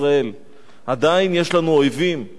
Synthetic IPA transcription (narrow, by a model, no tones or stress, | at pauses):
ʁae̞l | ad̪ainje̞ʃlanuojvim